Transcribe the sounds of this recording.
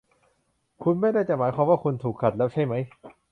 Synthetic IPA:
kʰu˧nma˥˩jda˥˩jt͡ɕa˨˩maː˩˦jkʰwaː˧mwaː˥˩kʰu˧nt̪ʰuː˨˩kʰːa˨˩lɛː˦˥wt͡ɕʰa˥˩jma˦˥j

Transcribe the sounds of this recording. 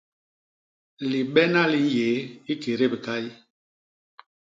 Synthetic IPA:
li˨ɓɛ˦na˦li˦jeː˨˦i˦ke˨ɾe˦˨bi˨ka˦i˦

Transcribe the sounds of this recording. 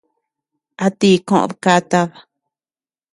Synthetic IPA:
a˧t̪i˦˧kõ̰˦˧ʔo̰˧ðka˦t̪a˧βa˨

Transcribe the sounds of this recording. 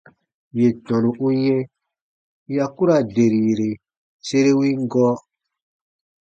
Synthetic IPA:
je˨tɔ̃˨nũ˨ʔu˦jɛ̃˦ | ja˦ku˦ɾa˨de˨ɾi˨jɾe˨ | se˦ɾe˦wĩ˦ŋ˦ɡɔː˦

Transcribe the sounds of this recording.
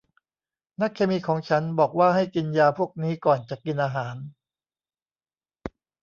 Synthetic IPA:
na˦˥kʰːeː˧miː˧kʰɔː˩˦ŋt͡ɕʰa˦˥nbɔː˨˩k̚waː˥˩ɦa˥˩jki˧njaː˧pʰu˥˩ək̚niː˦˥kɔː˨˩nt͡ɕa˨˩ki˧nʔaː˧ɦaː˩˦n

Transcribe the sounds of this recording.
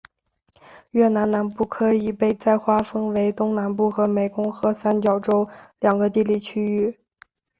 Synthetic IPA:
ɥɛ˥˩na˧˥nna˧˥npu˥˩kʰɤ˥i˨˩pe˥˧ɪt͡sa˥˧ɪxwa˥fə˥ŋwe˧˥ɪt̪ʊ˥ŋna˧˥npu˥˩xɤ˧˥me˨˩ɪkʊ˥ŋxɤ˧˥sa˥nt͡ɕjɑ˨˩ʊʈ͡ʂo˥ʊljɑ˨˩ŋɡə˦t̪i˥˧li˥˩t͡ɕʰy˥y˥˩

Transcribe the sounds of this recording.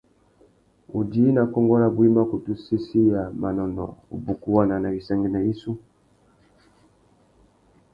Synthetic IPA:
u˨di˦na˨kɔ˦ŋɡɔ˦la˦˨bwi˦ma˦ku˨tu˦si˦si˦ja˨ma˨nɔ˨nɔ̰˨ṵ˨bu˨ku˦wa˦na˨na˨βi˨sa˦ŋɡi˦na˨i˦su˦

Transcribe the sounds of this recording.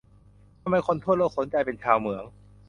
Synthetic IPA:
t̪ʰa˧mːa˧jkʰo˧˦nt̪ʰu˥˩t̪̚lɔː˧˥˩so˩˦nt͡ɕa˧jpe˧nt͡ɕʰaː˧wmɯ˩˦əŋ

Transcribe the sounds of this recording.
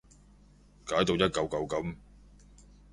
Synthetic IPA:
kaː˨˥jt̪o˧wjɐ˥t̚kɐ˨˧wkɐ˨˧wkɐ˨˥m

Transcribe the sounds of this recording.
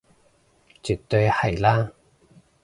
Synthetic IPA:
t͡sy˨˩t̪ːɵ˧jhɐ˨˩jlaː˥

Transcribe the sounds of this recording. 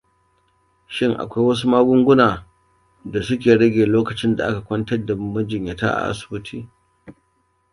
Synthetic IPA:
ʃɪ˦ŋʔa̰˨kʷa˦jwɐ˦s̬u˦maː˦ɡʷʊ˦ŋɡʷʊ˦naː˨ | da˨sʊ˦k̬ʲeː˨ɽɐ˦ɡʲeː˨loː˦kɐ˨t͡ʃɪ˦nda˨ʔa˦ka˨kʷɐ˦ntɐ˦rda˨˦mɐ˦d͡ʒɪ˨ɲja˨ta̰ː˦ʔa̰˨ʔa̰˦sʊ̥˨bʊ˦tʰiː˦

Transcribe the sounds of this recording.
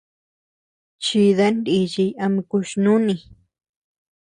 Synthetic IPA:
t͡ʃi˧ða˦nd̪i˧t͡ʃi˧ja˧mĩ˧ku˧ʃnũ˦nĩ˧˨

